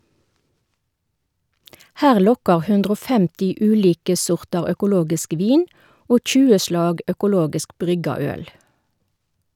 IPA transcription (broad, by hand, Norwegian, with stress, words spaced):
ˈhæːʁ ˈlɔkɑʁ ˈhʉndʁ ˈoː ˈfɛmtɪ ˈʉːliːkə ˈsɔʁtɑʁ œkʊˈloːɡɪsk ˈʋiːn ˈoː ˈçʉːə ˈʃlɑːɡ œkʊˈloːɡɪsk ˈbʁʏɡɑ ˈœl